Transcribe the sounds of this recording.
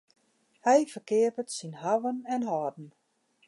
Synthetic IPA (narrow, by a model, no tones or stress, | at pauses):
hɛjfəkɪəpətsinhaʋənɛnɦɔːdn̩